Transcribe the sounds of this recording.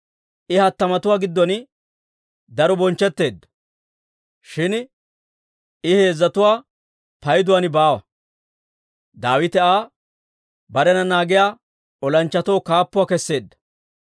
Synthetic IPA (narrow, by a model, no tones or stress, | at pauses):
ʔɪhɐt̪ːɐmɐt̪ʊwaːɡɪd̪ːɔn | d̪ɐɾɔbɔnt͡ʃːɛt̪ːe̞ːd̪ːɐ̥ | ʃɪn | ɪhe̞ːzːɐt̪ʊwaː | pɐjd̪ʊwaːnɪbaːwɐ̰ | d̪aːwɪt̪ɛaː | bɐɾɛnɐnaːɡɪjaː | ɔlɐnt͡ʃːɐt̪oːkaːpːʊwaːkɛsːe̞ːd̪ːɐ̥